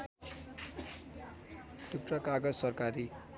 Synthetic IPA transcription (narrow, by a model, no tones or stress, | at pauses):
t̪ukrʌkaɡʌd͡zsʌrkaɾi